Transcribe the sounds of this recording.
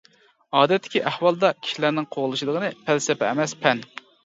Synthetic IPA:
ɑːd̪ɛt̪ʰːɪ̥kʲiʔæhwɑlˠd̪ɑkʲʰi̥ʃilæɾnɪŋqʰoʁlˠɨʃid̪əʁənɨpʰælsɛpɛɛ̰mɛspʰɛn

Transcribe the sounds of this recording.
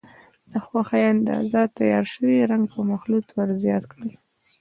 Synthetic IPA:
l̥əxwaxajand̪a̰zɑt̪ajɑɾʃəwiɾaŋɡpəmaxlut̪waɾzjɑt̪kɽəl

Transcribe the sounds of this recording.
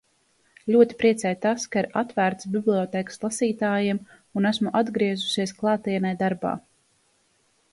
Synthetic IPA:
lʲuɔt̪i̥pɾiɛt̪sɛjt̪askaiɾat̪væːɾt̪sbʲiblʲiɔt̪ɛːkslˠasiːt̪aːjiɛm | unæsmuʔad̪ɡɾiɛzu̥siɛsklˠaːt̪iːnɛjd̪aɾba̰ː

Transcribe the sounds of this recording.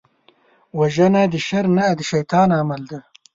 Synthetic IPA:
wɐʒɐnad̪əʃɐɾnad̪əʃɐjt̪ɑːnaːmɐld̪a

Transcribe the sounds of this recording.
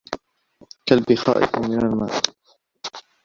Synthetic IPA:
kalbɪxa̰ːʔɪ̰qmɪnalma̰ːʔ

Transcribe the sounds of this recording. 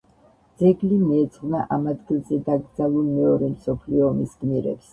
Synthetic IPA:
d̪z̥ɛɡlimiɛt̪sʰʼχnaʔamad̪ɡilˠzɛd̪aɡɾd̪zalˠulˠmɛɔɾɛmsɔpʰliɔːmisɡ̥miɾɛ̰ps

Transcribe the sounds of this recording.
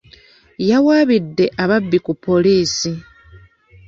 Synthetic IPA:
jawaːβidːe̞ʔaβabːikupːo̞liːsi

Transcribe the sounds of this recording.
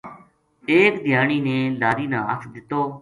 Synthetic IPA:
eːkd̪ʱjaːɳ̃iːnẽːlaːɾiːnãːəkʰd̪ɪt̪ːoː

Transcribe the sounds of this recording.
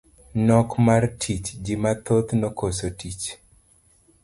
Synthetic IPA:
nɔkmartʰit͡ʃd͡ʒɪmat̪ot̪nokosotit͡ʃ

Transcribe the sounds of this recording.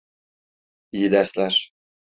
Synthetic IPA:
ijid̪æɾslʲæɾ̥

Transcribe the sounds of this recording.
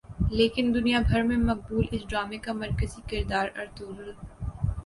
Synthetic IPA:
leːkɪnd̪ʊnijabʱɐɾmẽmɐk̚buːlɪsɖɾaːmekamɐɾkəzikɪɾd̪aːɾɐɾt̪uːɾɾ

